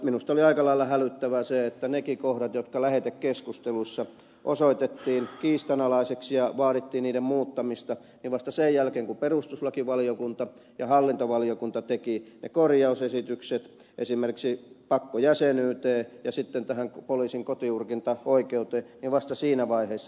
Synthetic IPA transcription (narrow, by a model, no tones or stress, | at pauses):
minust̪oliɑikɑlɑilːɑhælyt̪ːæʋæseet̪ːænekikohɾɑt̪jot̪kɑlæhet̪ekkeskust̪eluisːɑ | ʔosoit̪et̪ːiːnkiːst̪ɑnɑlɑiseksjɑʋɑːɾit̪ːiːnniːdemmuːt̪ːɑmist̪ɑ | niʋʋɑst̪ɑsejjælkeːŋkuperust̪uslɑkiʋɑliokunt̪ɑ | jɑhɑlːint̪oʋɑlijokunt̪ɑt̪ekinḛkorjɑusesit̪ykset̪ | ʔesimerkiksipɑkːojæsenyːt̪eːjɑsit̪ːent̪æhæŋkpoliːsiŋkot̪iurkint̪ɑoikeut̪eːniʋʋɑst̪ɑsiːnæʋɑiheːsːɑ